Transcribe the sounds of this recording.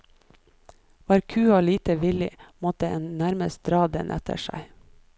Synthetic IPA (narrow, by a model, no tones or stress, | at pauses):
ʋɑːɾkʰʉːoːliːt̪əʋɪlɪ̰mɔt̪əeːnnæɾməs̚d̪ɾɑːd̪ə̰nʔɛ̰t̪ʰə̰ʃæ̰ɪ